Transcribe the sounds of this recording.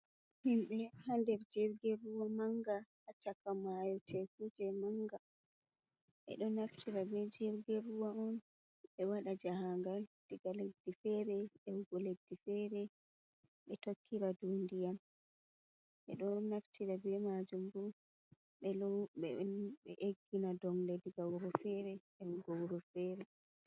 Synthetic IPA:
himɓɛhandɛɾd͡ʒiɾɡɛruwamaŋɡa | at͡ʃakːamajɔtɛkud͡ʒɛmaŋɡa | ɓɛ̰ɗɔnaftʰiɾabɛd͡ʒiɾɡɛɾuwaɔn | ɓɛwaɗad͡ʒahaŋɡald̥iɡaledːifɛɾɛɛwɡɔledːifɛɾɛ | ɓɛtokʰːiɾadundijan | ʔɛ̰ɗɔnaftʰiɾabɛmad͡ʒumbu | ɓɛlɔɓɛɓɛ̰ʔeɡːinadɔŋlɛdiɡawɾɔfɛɾɛʔɛwɡawɾɔfɛɾɛ

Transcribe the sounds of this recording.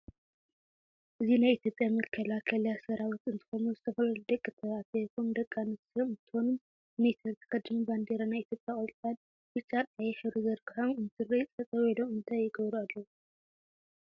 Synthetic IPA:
ʔɨzinajit̪ʰʲjopʼjamɐkʰːɐlakʰɐlijasɐɾawit̪ɨnt̪ʰɨ̥xonuzɨt̪ʰɐfɐlɐlud̪ɐkʼːɨt̪ʰɐβat̪ʰɐk̪ʰomd̪ɐkʼːanɨsomɨt̪ʰɨhonum | net̪ʰɐɾt̪ʰɐ̥kʰɐd̪ɨmiband̪eɾanajit̪ʰjopʼjaʔʼolt̪ʼad̪ | bɨt͡ʃʼatʼajɛħɨɾuzɐɾkɨħamɨnt̪ʰɨrit͡sʼɐt͡sʼɐβɐlomɨnt̪ʰajːɪɡɐβɾualːɐwu

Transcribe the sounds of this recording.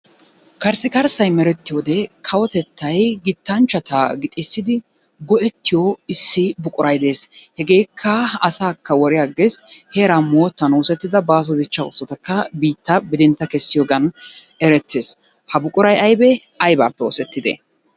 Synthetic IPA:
kɐɾsɪkɐɾsɐjmɛɾɛt̪ːɪjoːd̪ɛkʰɐwɔt̪ɛt̪ʰːɐjɡɪt̪ːɐnt͡ʃːɐt̪ɐɡɪt̪ʼɪsːɪd̪ɪ | ɡɔʔɛt̪ːɪjɔɪsːɪbʊkʼʊɾɐjd̪e̞ːshɛɡe̞ːkʰːɐɐsaːkːɐwɔɾɪjaːɡesheːɾamoːt̪ːɐnoːsɛt̪ːɪd̪ɐbaːs̬ɔd̪ɪt͡ʃːɐʊsːɔt̪ɐkːɐbiːt̪ːɐbɪd̪ɪnt̪ːɐkɛsːɪjɔɡɐn | ɛɾɛt̪ːeːs | hɐbʊkʼʊɾɐjɐjbɛ | ɐjba̰ːpːɛo̰ːsɛt̪ːɪd̪ḛ

